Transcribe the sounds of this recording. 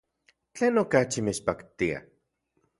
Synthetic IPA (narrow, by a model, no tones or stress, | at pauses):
t͡ɬeːnokat͡ʃimet͡ʃpakt̪ia̰